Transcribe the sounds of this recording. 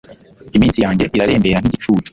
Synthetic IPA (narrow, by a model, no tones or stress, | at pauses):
imiːnsijaːɲɟe̞ʔiɾaɾe̞ːmbeːɾan̥iɟit͡ʃuːt͡ʃo̥